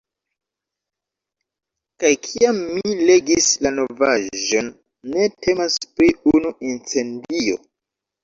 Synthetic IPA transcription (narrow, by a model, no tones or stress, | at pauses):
kajkʰiamːile̞ɡislano̞vaʒo̞nː | e̞te̞maspɾiunuʔint͡se̞ndio̞̰